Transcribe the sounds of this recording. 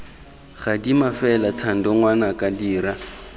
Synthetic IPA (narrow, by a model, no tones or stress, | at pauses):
χadimafɛlatʰan̩dɔŋwanakʼadiːɾa